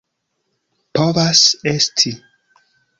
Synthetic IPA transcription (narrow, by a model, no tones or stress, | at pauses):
povasestʰi